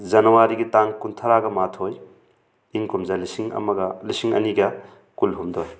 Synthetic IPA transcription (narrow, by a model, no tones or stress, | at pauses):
zɐnɐwaɾiɡitaŋkuntʰɐɾaɡɐmatʰoj | iŋkumzɐlisiŋɐ̰mɐɡɐlisiŋɐ̰niɡɐ | kulɦumdoj